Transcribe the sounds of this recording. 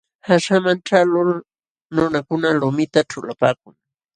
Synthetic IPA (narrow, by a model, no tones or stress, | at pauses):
haʃamanʈ͡ʂalʊl | nʊnakʊnalʊmɪt̪aʈ͡ʂʊlapa̰ːk̚ʊŋ